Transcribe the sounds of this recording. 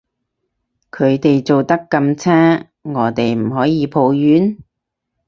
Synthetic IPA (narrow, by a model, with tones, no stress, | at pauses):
kʰɵ˨˧ɥt̪e˨jt͡so˨wt̪ɐ˥kːɐ˧mt͡sʰaː˥ | ŋɔː˨˧˥t̪e˨jm̩˨˩ɦɔː˨˥jiː˨˧pʰo˨˧wjyː˨˥n